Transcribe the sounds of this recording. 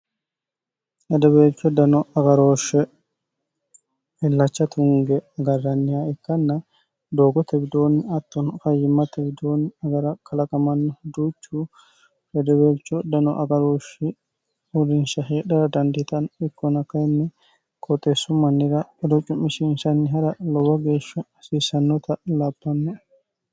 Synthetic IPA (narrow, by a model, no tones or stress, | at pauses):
ʔɛd̪ɔbeːt͡ʃːɔd̪ɐnɔɐɡɐɾoːʃːɛ | ɪlːɐt͡ʃːɐt̪ʊŋɡɛɐɡɐrːɐnːɪjaɪkːɐnːɐ | d̪oːɡɔt̪ɛbɪd̪oːnɪɐt̪ːɔnkɐjːɪmːɐt̪ɛbɪd̪oːnɪɐɡɐɾɐkʰɐlɐkʼɐmɐnːɔd̪uːt͡ʃːu | bɛd̪ɛweːt͡ʃːɔd̪ɐnɔʔɐɡɐɾoːʃɪ | ʊɾɪnʃɐɦeːɗɐɾɐd̪ɐnd̪ɪt̪ɐnɪkːɔnɐkɐjnːɛ | kʰʼɔt̪ʼːesːʊmɐnːɪɾɐɛd̪ɔt͡ʃʼːʊmːɪʃɪnʃɐnːɪɦɐɾɐlɔwɐɡe̞ːʃːɐ | siːsːɐnːɔt̪ʰɐlabːɐnːɛ